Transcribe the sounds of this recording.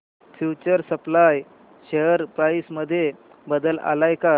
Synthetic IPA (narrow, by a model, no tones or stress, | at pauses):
fjut͡ɕəɾsəplaj | ɕeəɾpɾaisməd̪ʱːje | bəd̪əla̰lajka